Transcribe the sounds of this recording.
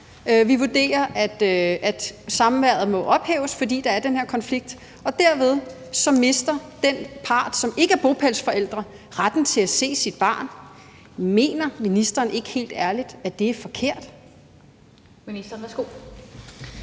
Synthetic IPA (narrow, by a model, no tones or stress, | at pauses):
ʋiʋud̥e̝̰ːɐʔæd̥ʔæd̥sɑ̈m̩ʋæɐ̰ð̩ˠmɒ̽ʔɒ̽b̥hɛ̰ːʊəsfɒ̽d̥ḭːd̥ɑ̈æɐdenhæɐ̰kʰɒ̽nfliɡ̥̚d̥ | ɒ̽d̥æɐ̰ʋe̝ð̞ˠsɒ̽mːe̝sd̥ɐd̥enpʰɑ̈ːd̥sɒ̽me̝ɡ̥əæɐb̥o̝pʰælsfɒ̽el̰d̥ʁɐ | ʁad̥n̩t͡sʰe̝læse̝̰ːsid̥̚b̥ɑ̰̈ːn | me̝̰ːnɐminisd̥ɐːne̝ɡ̥ə̥he̝̰ːld̥æɐlid̥æd̥e̝æɐfɒ̽kʰe̝ɐ̰d̥ | minisd̥ɐn̩ʋæsɡ̥o̝